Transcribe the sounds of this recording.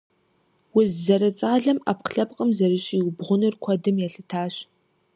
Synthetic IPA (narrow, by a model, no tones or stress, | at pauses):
wʊzzɐɾɐt͡sʼaːɮɐma̰ːpqɬɐp̚ʼqʼəmzɐɾɨɕʼiwbʁʷʊnɨrkʷʰɐdɨmjɛɬɨtʰaːɕ